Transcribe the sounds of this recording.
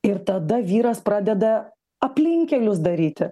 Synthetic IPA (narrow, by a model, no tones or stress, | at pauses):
ɪɾt̪ɐd̪ɐʋʲiːɾɐspɾɑːd̪ʲɛd̪ɐ | ɐpʲlʲɪŋʲkʲɛlʲʊsd̪ɐɾʲiːt̪ʲɪ